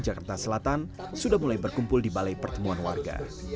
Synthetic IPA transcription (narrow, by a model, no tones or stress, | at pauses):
d͡ʒakart̪asəlat̪an | sudahmulajbərkumpʊldibalajpərt̪əmuanwa̰rɡa̰